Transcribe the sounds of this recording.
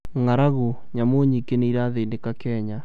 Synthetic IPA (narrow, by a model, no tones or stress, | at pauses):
ŋaɾaɣu | ɲamoɲikeneiɾaðendekakɛːɲa